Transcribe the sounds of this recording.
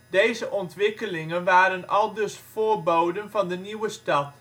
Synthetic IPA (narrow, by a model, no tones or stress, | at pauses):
dejzəʔɔntʋɪkəlɪŋənʋaːɾənɑlˠdɵsfoːrbowdənvɑndəniwəstɑt